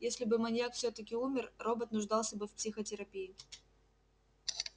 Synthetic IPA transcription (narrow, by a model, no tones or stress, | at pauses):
jesʲlʲɪbɨmɐnʲjakfsʲɵt̪əkʲɪumʲɪrro̞bət̪nʊʐd̪ɑlˠsʲəbɨfpsʲixətʲɪɾɐpʲijɪ